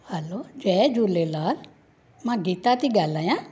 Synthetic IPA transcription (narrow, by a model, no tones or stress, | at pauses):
hɛloːd͡ʒɛd͡ʒulelaːl | mãːɡiːt̪at̪iɡaːlaːjãː